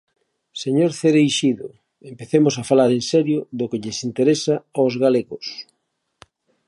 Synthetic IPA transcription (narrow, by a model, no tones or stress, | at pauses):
seɲoɾθeɾejʃiðʊ | empeθemʊsafalaɾensɛɾjʊðokeʎesint̪eɾesaaozɣaleɣos